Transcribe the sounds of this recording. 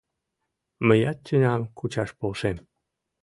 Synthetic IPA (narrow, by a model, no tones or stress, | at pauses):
məjɑt̪ːynɑmkut͡ɕɑʃpolʃem